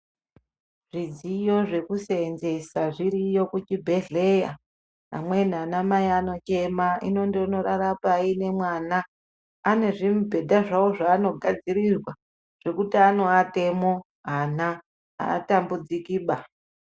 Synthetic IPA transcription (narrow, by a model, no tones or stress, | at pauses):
ʐ̥id͡zijo̞ʐe̞kuseːnze̞saʐiɾijokut͡ʃibʱe̞ɮe̞ja | ɦa̰mwe̞n̤anamaiano̞t͡ʃe̞maḭno̞ndeono̞ɾaɾapaine̞mwanaː | ne̞ʐimubʱe̞dʱaʐaoʐaːno̞ɡʱad͡ziɾirwa | ʐ̥e̞kutiano̞ate̞mo̞ | ɦana | a̰ːtambud͡zikiːɓa